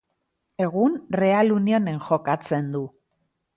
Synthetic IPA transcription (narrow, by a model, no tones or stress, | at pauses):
e̞ɣunre̞alunio̞ne̞ŋʝo̞kat͡se̞nd̪u